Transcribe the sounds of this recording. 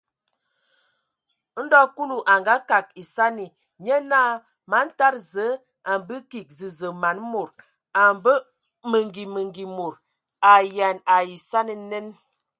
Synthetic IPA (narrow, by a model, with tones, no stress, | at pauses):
n̩˦dɔ˦ku˦lu˨ʔa˨ŋɡa˦ka˨k̚i˨sa˦ni˨ | ɲə˦na˦˨ | ma˨˦n̩˦ta˦ɾzə˨˦ | a˨mbə˦ki˨k̚zi˨zə˨ma˨n˦mo˨ɾ | a˨mbə˦ | mə˨ŋɡi˨mə˨ŋɡi˨mo˨ɾ | a˨ja˨na˨ji˨sa˦ni˨˦nə˦n